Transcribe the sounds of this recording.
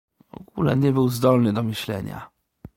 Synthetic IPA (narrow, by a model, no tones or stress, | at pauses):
vɔ̰ɡulɛɲɛbɘwzd̪ɔlnɘd̪ɔmɘɕlɛ̰ɲa̰